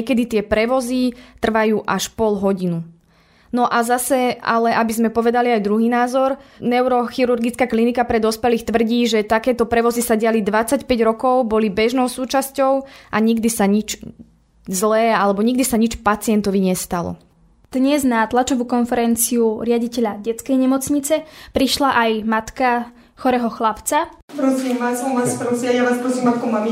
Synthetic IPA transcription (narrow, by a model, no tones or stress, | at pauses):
ɛkɛd̪it̪ɪɛpɾɛʋɔzit̪r̩ʋajuːʔaʃpɔlɦɔɟinu | nɔʔazasɛa̰lɛʔabizmɛpɔʋɛd̪aliajd̪ɾuɦiːnaːzɔɾnɛʊɾɔxiɾuɾɡit͡skaːklinikapɾɛd̪ɔspɛliːxt̪ʋr̩ɟiːʒɛt̪akɛːt̪ɔpɾɛʋɔzisaɟɪalid̪ʋat͡sacpɛɟɾɔkɔʊbɔlibɛʒnɔʊsuːt͡ʃascɔʊʔaɲiɡd̪isaɲit͡ʃ | zlɛːalɛbɔɲiɡd̪isaɲit͡ʃpat͡sɪɛnt̪ɔʋiɲɛst̪alɔ̰ | d̪̥ɲɛznat̪lat͡ʃɔʋukɔnfɛɾɛnt͡siuɾɪaɟicɛʎaɟɛt͡skɛjɲɛmɔt͡sɲit͡sɛpɾiʃlaʔajmat̪ka | xɔɾɛːɦɔxlapt͡sapɾɔsiːmʋasɔaspɾɔsiajaʋaːspɾɔsiːmakɔmami